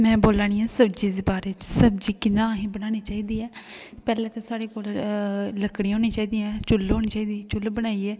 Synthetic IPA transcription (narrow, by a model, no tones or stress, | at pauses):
mɛ̃ːboːlaːɽĩːɛːsəbd͡ʒiːd̪eːbaːɾeːt͡ʃsəbd͡ʒiːkɪnãːɦiːbəñaːñiːt͡ʃaːiːd̪iːɛː | pɛːlɛ̃ːt̪eːsaːɽeːkoːlləkɽiːɦoːñiːt͡ʃaːiːd̪iːɛ̃ːt͡ʃʊlɦoːñiːt͡ʃaːiːd̪iːt͡ʃʊlbəɽ̃aːiːɛː